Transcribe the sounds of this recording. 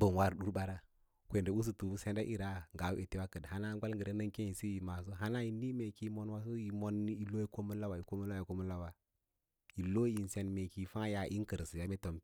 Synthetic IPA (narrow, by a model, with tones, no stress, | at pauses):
bə˨nwa˦˨ɾɗu˦ɾba˦ɾa˦ | kʷe˨nde˨˦u˦s̬u˦˨tu˨bu˦se˦nda˦ʔi˨ɾa˦ŋɡa˨we˨te˦wa˦kə˨dha˦na˦ɡʷa˦lŋɡə˨ɾe˦nə˦ŋke˦i˨si˦ji˨ma˨s̬o˦ɦa˦na˦i˨ni˦me˨ki˦mo˦nwa˨˦s̬o˦i˨mo˦n˦i˨lo˦ji˦ko˦mə˦n˦la˦wa˨i˨ko˦mə˦la˦i˨ko˦mu˦nla˦wa˨ | i˨lo˦i˨n˨se˨nme˨ki˨fa˦ja˨ʔḭ˦ŋ˦kə˨ɾsja˦me˦to˨m˦